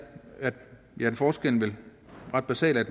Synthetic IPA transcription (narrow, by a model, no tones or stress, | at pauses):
æd̥ | jæ̥nfɒːsɡ̥el̰n̩ʋe̝lʁɑ̈d̥̚b̥æsɛ̰ːlæd̥